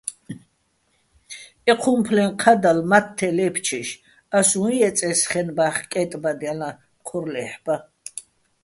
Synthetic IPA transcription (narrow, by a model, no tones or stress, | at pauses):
ɛqʰumpʰlɛnqʰad̪almat̪ʰːɛlɛpʰt͡ʃʰiʃ | asũiɛt͡sʼɛsχɛnbaχkʼɛt̪ʼbad̪jala | qʰɔɾlɛħba